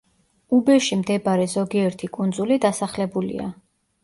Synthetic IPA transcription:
ubɛʃimd̪ɛbaɾɛzɔɡiɛɾt̪ʰikʼund̪zulid̪asaχlɛbulḭa̰

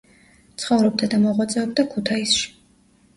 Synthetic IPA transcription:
t̪sʰχɔvɾɛb̚d̪ad̪amɔʁwat̪sʼɛɔb̚d̪akʰut̪ʰaisʃi̥

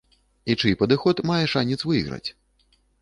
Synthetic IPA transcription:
it͡ʂɨpɐd̪ɨxɔt̪majɛʂanʲit̪svɨjɣɾɐ̰t͡sʲ

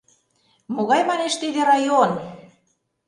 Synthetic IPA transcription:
moɣɑjmɑneʃt̪iðeɾɑjon

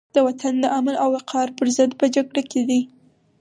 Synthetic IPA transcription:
d̪̥əwat̪ʰand̪əʔamalawɪqʰɑɾpəɾzəd̪pəd͡ʒaɡɽaked̪i

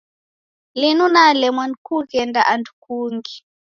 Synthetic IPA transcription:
linunalɛmwankukɛndaʔandu̥kuːŋɡi

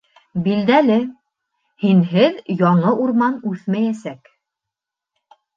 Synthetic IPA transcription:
bild̪ælɘ | hinɦɘðjɒɴɤʔuɾmɑnʉθmæjæsæk

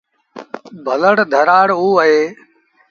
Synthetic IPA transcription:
bʱələɽd̪ʱəɾaːɽɦuːəɦeː

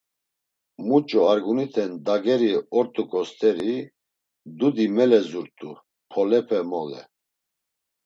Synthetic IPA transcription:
mut͡ʃʼɔaɾɡunit̪ʰɛnd̪aɡɛɾiɔɾt̪ʼukʼɔst̪ʰɛɾi | d̪ud̪imɛlɛzuɾt̪ʼu | pʰɔlɛpʰɛmɔlɛ̰

